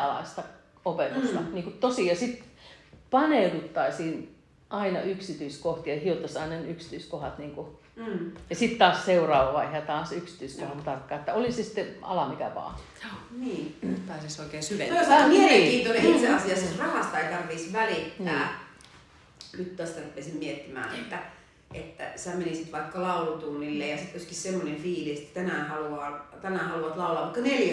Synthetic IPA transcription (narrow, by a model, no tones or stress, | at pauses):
ɑlɑ̰ist̪ɑ | opet̪ust̪ɑniːŋkutt̪osijɑsit̪ | pɑnedut̪ːɑisiːn | ʔɑinɑ̰ʔyksit̪yiskoht̪iɑhiot̪ːɑsɑinɑnyksi̥t̪yiskohɑt̪niːŋku | jɑsit̪tɑːsseurɑːʋɑʋɑihɑt̪ɑːsyksi̥t̪yiskohɑt̪t̪ɑrkːɑːet̪ːæolisesi̥t̪ːeɑ̰lɑmikæ̰ʋɑ̰ː | niːnnyt̪pæːsisoikeːsyʋeosmieleŋkiːnt̪oneiseɑsiɑsɑrɑhɑst̪ɑeit̪ɑrʋisʋælit̪ːæː | nyt̪t̪æst̪ærupːesimmiet̪ːimæ̰ːnḛt̪ːæ | ʔet̪ːæ̰sæmenisi̥t̪ʋɑikːɑlɑulut̪uːnilːejɑsit̪ːyskissemːonenfiːlise̥t̪ːæ̥t̪ænæhɑluɑːt̪ænæhɑluɑt̪lɑulːˑɑʋʋɑˑikːɑneljæ